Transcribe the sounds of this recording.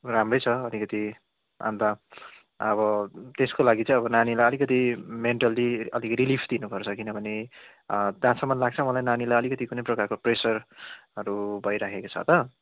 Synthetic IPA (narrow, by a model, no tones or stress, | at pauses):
ramrʌjt͡sʰʌʌlikʌt̪i | ã̰nd̪a | ʌβʌt̪eskolaɡit͡sʌ̃ĩʌβʌnanilajʌlikʌt̪̬imeɳʈaliʌlikʌɾilipʰd̪inupʌrt͡sʰʌkinʌbʱʌne | d̪ãsʌmʌnlaɡ̚t͡sʰʌmʌlajnanilajʌlikʌt̪ikunʌjprʌkarkopresʌrʌɾubʱʌjɾakʰekot͡sʰʌ̰t̪ʌ